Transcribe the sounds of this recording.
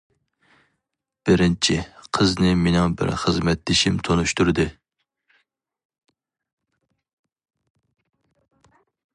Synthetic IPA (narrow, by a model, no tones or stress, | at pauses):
b̥ɪɾɪnt͡ʃʰɪqʰəznɨmenɪŋbɪ̰ɾχəzmɛt̪̚d̪ɪʃimt̪ʰonuʃt̪uɾɨd̪ɨ